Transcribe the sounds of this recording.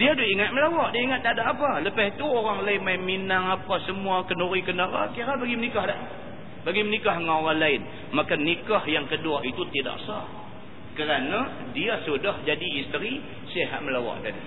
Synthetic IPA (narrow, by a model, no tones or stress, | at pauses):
diaduiŋat̪̚məlawaʔdaiŋat̪̚d̪adaʔapaləpahit̪uoɾaŋlaɪnmajminaŋapasəmuakənoɾikənaɾa̰kiɾabaɡimənikahdaʔ | baɡimənikaɦŋaoɾaŋlaɪn | makannikahjaŋkəduaʔit̪ut̪ida̰ʔsa | kəɾana | diasudahd͡ʒadiːst̪əɾi | səɦa̰ʔ̪̚məlawa̰ʔdan